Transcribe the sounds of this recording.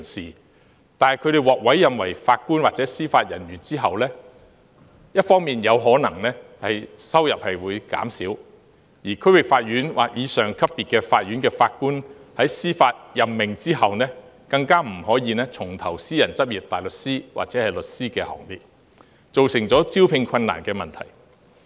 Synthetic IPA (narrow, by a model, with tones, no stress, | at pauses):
i˨˩nsiː˨ | t̪aː˨nkʰɵ˨˧ɥɾe˨jwɔː˨k̚wɐ˨˥jjɐ˨mwɐ˨˩jfaː˧t̚kuː˥nwaː˨k̚t͡sɛː˨˥siː˥faː˧t̚jɐ̰˨˩njyː˨˩nt͡siː˥ɦɐ˨wlɛː˥ | jɐ˥t̚fɔː˥ŋmiː˨njɐ˨˧wɦɔː˨˥nɐ˨˩ŋnɛː˥hɐ˨jsɐ˥wjɐ˨p̚hɐ˨jwuː˨˧jka̰ː˨˥msiː˨˥w | jiː˨˩kʰɵ˥ɥwɪ˨k̚faː˧t̚ɥyː˨˥nwʔa̰ː˨˩k̚jiː˨˧sœː˨ŋkʰɐ˥p̚ːiː˨t̚kɛː˧faː˧t̚ɥyː˨˥nkɛː˧faː˧t̚kuː˥nhɐ˨˥jsiː˥faː˧t̚jɐ˨˩mmɪ˨ŋt͡siː˥hɐ˨wnɛː˥ | kɐ˧ŋkaː˥m̩˨˩hɔː˨˥jiː˧nɛː˥t͡sʰʊ˨˩ŋt̪ʰɐ˨˩wsiː˥jɐ˨˩nt͡sɐ˥p̚jiː˨˩p̚t̪aː˨jlɵ˨t̚siː˥waː˨˩t͡sɛː˨˥hɐ˨jlɵ˨t̚siː˥kɛː˧hɔ̰ː˨˩ŋt̪iː˨˧t̚ | t͡so˨wsɪ˨˩ŋt͡sɔː˨˥t͡siː˥wpʰɪ˧ŋkʰɐ˧nːa̰ː˨˩nkɛː˧mɐ˨˩nt̪ʰɐ̰˨˩j